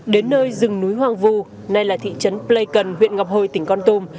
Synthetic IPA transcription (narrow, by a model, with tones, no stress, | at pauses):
ɗe˨˦nːəː˧jzɨ˨˩ŋnu˨˦jɦwaː˨˩ŋvu˧ | na˧jlaː˨˩t̪ʰḭ˧˨t͡ɕə˨˦nple˧jkə˨˩nɦwḭ˧˨ənŋa˨˩p̚ho˧˩jt̪ï˧˩ŋ̟kɔ˧nt̪u˧m